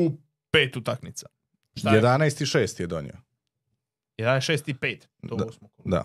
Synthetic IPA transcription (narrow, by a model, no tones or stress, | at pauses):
u | peːt̪ut̪aknit̪sa | ʃt̪ajed̪anaest̪iʃeːst̪jed̪onḭo | jed̪anaesʃeːst̪ipeːt̪osmokd̪a̰